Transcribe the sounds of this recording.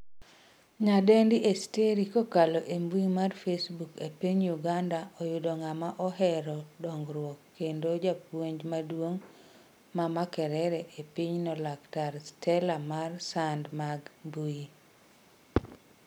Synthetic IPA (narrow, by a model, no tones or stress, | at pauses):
ɲadendiʔesteɾikokalɔʔembuimarfesbukepiɲjuɡandaɔjʊdɔŋamaʔɔɦɛɾɔdɔŋɡɾwɔkːendod͡ʒapwoɲd͡ʒmadwoŋ | mamakɛɾɛɾɛʔepiɲnɔlaktaɾstʰɛlamarsandmaɡmbui